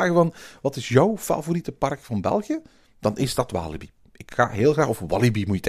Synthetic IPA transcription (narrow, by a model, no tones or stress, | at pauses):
aːɣəvɑnʋɑtɪsjœwfa̰voritəpɑrkfɑnbɛ̰lˠɣjə | d̥ɑnʔɪzdɑtʋa̰ːlibi | ɪkxa̰ːɦɪːlˠɣraːxɔfʋɑlˠibimuət